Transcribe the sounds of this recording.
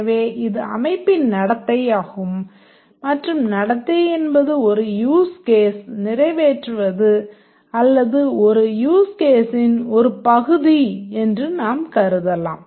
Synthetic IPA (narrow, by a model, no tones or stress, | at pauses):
ʋeːʔɪðɯɐ̰mɐɪpːɪnnɐɽɐt̪ːɐjaːɣɯmː | ɐʈrɯmnɐɽɐt̪ːɐɪɛnbɐðɯɔɾɯjuːskeːsnɪrɐɪʋeːʈrɯʋɐðɯ | ɐlːɐðɯɔɾɯjuːskeːsɪnɔɾɯpɐɣɯðiɛndrɯnaːmkɐɾɯðɐlːa̰ːm